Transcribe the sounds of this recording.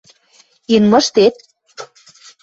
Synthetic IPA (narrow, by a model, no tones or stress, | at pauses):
inmɤ̆ʃt̪et̪̚